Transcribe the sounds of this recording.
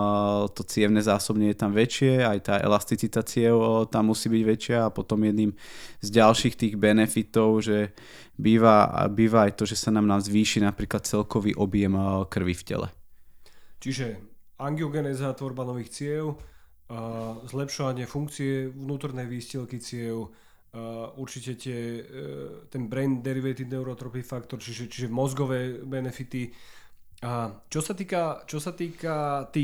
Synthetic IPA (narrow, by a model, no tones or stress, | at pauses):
t̪ɔt͡sɪɛʊnɛzaːsɔbɲɛjɛt̪amʋɛt͡ʃɪɛajt̪aːʔɛ̰last̪it͡sit̪at͡sɪɛlt̪amːusiːbiɟʋɛt͡ʃɪaːpɔt̪ɔmjɛd̪niːmzɟalʃiːxt̪iːɣbɛnɛfit̪ɔʊʒɛ | biːʋa̰biːʋaːjt̪ɔʒɛsanaːmnaːmzʋiːʃinapɾiːklat̪̚t͡sɛlkɔʋiːʔɔbjɛmkr̩ʋifcɛ̰lɛ̰ | t͡ʃiʒɛ | aŋɡiɔɡɛnɛzaːt̪ʋɔɾbanɔʋiːxt͡sɪɛl | zlɛpʃɔʋaɲɪɛfuŋkt͡siɛʋnuːt̪ɔɾnɛjʋiːscɛlkit͡sɪɛl | uɾt͡ʃicɛt̪ɪɛ | t̪ɛnbɾɛnd̪ɛɾiʋɛt̪id̪nɛʊɾɔt̪ɾɔpifakt̪ɔɾt͡ʃiʒɛt͡ʃiʒɛmɔzɡɔʋɛːbɛnɛfit̪i | t͡ʃɔsat̪iːkat͡ʃɔsat̪iːkat̪iː